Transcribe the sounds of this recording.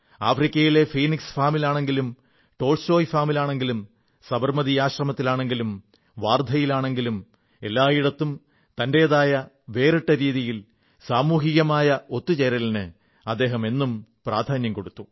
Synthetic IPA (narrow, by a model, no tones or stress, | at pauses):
aːfrikʲːɐjile̞fiːniksfaːmilaːɳe̞ŋɡilum | ʈo̞ːlso̞ːjfaːmilaːɳe̞ŋɡilum | sɐbɐrmɐðiaːɕrɐmɐt̪ːilaːɳe̞ŋɡilum | ʋaːrd̪ʱɐjilaːɳe̞ŋɡilum | e̞̰lːaːjiɽɐt̪ːum | t̪ɐnde̞ɐðaːjɐ | ʋe̞ːriʈːɐɾiːðijil | saːmuːɦiɣɐmaːjɐo̞t̪ːut͡ɕeɾɐlnɨ | ɐd̪ːe̞ːɦɐme̞nːumpraːd̪ʱaːnjɐmko̞ɽut̪ːu